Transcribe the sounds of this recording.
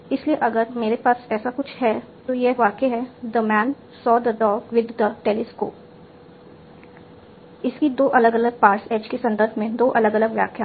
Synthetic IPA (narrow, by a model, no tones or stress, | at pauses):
ɪslieʔɐɡəɾmeːɾepaːsɛːsakʊt͡ʃʰhɛ | t̪ojeʋaːkeɦɛd̪əmɛ̃ːn | sɔːd̪əɖɔːɡʋɪd̪ʱːəʈeːlɪsko̰ːp | ɪskid̪oːʔɐləɡɐləɡ̚paːɾseːd͡ʒkesɐ̃nd̪əɾbʱmẽd̪oːʔɐləɡɐləɡʋja̰ːkʰja